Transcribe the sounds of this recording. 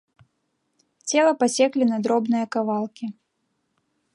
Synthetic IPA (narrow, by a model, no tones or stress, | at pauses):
t͡sʲɛlˠɐpasʲɛklʲinɐd̪ɾɔbnɨjɐkavalˠkʲi